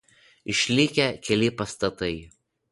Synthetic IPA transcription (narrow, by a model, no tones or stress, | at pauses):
ɪʃʲlʲɪkʲɛkʲɛlʲɪpɐst̪ɐt̪ɐɪ